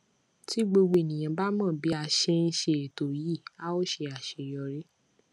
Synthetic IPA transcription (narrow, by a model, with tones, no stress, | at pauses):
ti˦ɡ͡bo˧ɡ͡bo˧e˨nĩ˨j̃ã˧˨ba˦mãː˦˨bi˨˦a˧ʃe˧n̩˧ʃe˧e˨to˨ji˦˨a˦o˦˨ʃe˧a˨ʃe˧jɔ˧ɾe˦